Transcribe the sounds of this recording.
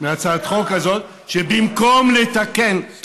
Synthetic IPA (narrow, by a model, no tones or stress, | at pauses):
meat͡sad̪χokazo̞t̪ | ʃebimkomlet̪aken